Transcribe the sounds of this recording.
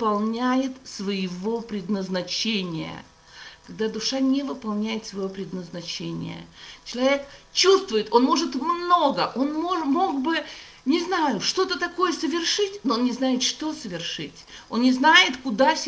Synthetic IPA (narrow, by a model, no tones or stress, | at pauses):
pɐlˠnʲæjɪt̪svəjɪvo̞pɾʲɪd̪nəznɐt͡ɕenʲɪjə̰ | kɐɡ̚d̪ad̪ʊʂanʲɪvɨpɐlˠnʲæjɪt̪svəjvopɾʲɪd̪nəznɐt͡ɕenʲɪ̰jə̰t͡ɕɪlˠɐvʲe̞kt͡ɕust̪vʊjɪt̪o̞nmo̞ʐɨt̪mno̞ɡəʔo̞nmoʐmo̞ɡ̚bɨ | nʲɪznajʊʂt̪o̞t̪ət̪ɐko̞jəsəvʲɪrʂɨtʲnoonnʲɪznajɪt̪ʂt̪o̞səvʲɪrʂɨtʲo̞nnʲɪznajɪt̪kʊd̪afsʲ